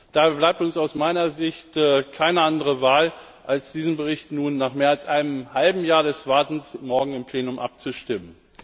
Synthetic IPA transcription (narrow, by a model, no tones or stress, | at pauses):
d̥aːblaɪp̚tʊnsaʊsmaɪnɐzɪçtːkʰaɪnəʔandəʁəvaːl | ʔalsd̥iːzən̩bəʁ̞ɪçtnuːnːaːχmeːɐalsʔaɪnəmhalbm̩jaːɐɾɛsv̥aɐtn̩smɔɐɡŋ̩ɪmpʰl̥eːnʊmʔa̰p̚t͡suʃtɪmən